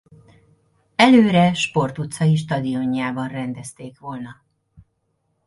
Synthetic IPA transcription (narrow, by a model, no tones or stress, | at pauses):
ɛløːɾɛʃpo̞rt̪ut̪sɒiʃ̬t̪ɒd̪io̞ɲːaːbɒnrɛnd̪ɛst̪eːkʋo̞lnɒ